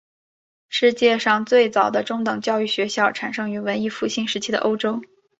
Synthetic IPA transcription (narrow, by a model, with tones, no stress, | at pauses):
ʂɻ̩˥˧t͡ɕjɛ˥˧ʂɑ˥˧ŋt͡swe˥˩ɪt͡sɑ˨˩ʊd̪ə˦ʈ͡ʂʊ˥ŋt̪ɤ˨˩ŋt͡ɕjɑ˥˧ʊy˥˩ɕɥɛ˧˥ɕjɑ˥˩ʊʈ͡ʂʰa˨˩nʂɤ˥ŋy˧˥wə˧˥ni˥fu˥˧ɕi˥˩nʂɻ̩˧˥t͡ɕʰi˥d̪ə̰˧ʔo˥ʊʈ͡ʂo˥ʊ